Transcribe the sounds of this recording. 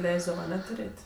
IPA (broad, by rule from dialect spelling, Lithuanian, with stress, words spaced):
ˈlʲɛɪzdɐʋɐ ɐˈnʲɛ tʊˈrʲeːtʲ